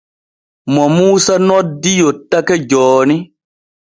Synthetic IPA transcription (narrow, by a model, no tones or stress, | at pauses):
mɔmuːsanɔdijotakɛd͡ʒɔːni